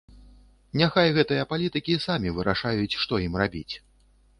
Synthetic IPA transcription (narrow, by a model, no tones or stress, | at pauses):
nʲaxajɣɛt̪ɨjɐpalʲit̪ɨkʲisamʲivɨɾaʂajut͡sʲʂt̪ɔjimrabʲḭt͡sʲ